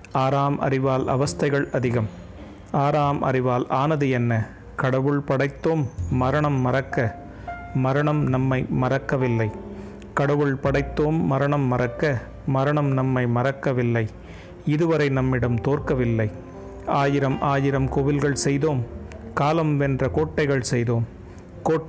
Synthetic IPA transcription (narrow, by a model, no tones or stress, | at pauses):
aːɾaːmʔɐ̰rɪʋaːlɐ̰ʋɐst̪ɐɪɣɐɭɐðɪɣɐm | aːɾaːmʔɐ̰ɾɪʋaːlaːnɐðɯɛnːɐ | kɐɽɐʋɯɭpɐɽɐɪt̪ːoːmːɐɾɐɳɐmːɐɾɐkːɐ | mɐɾɐɳɐmnɐmːɐɪmɐɾɐkːɐʋɪlːɐɪ | kɐɽɐʋɯɭpɐɽɐɪt̪ːoːmːɐɾɐɳɐmːɐɾɐkːɐ | mɐɾɐɳɐmnɐmːɐɪmɐɾɐkːɐʋɪlːɐɪ | ɪðɯʋɐɾɐɪnɐmːɪɽɐmt̪oːrkɐʋɪlːɐɪ | aːjɪɾɐmʔaːjɪɾɐmkoːʋɪlɣɐɭsɛjðoːmkaːlɐmʋɛndrɐkoːʈːɐɪɣɐɭsɛjðoːm | koː